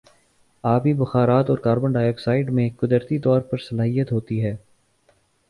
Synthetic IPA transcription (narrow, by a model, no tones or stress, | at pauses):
aːbʱibɐxaːɾaːt̪ɔːɾkaːɾbə̃ɳɖaːjɔːksaːɪɖmẽkʊd̪əɾt̪it̪ɔːɾpɐɾsɐlaːɦijət̪ɦoːt̪iɦɛː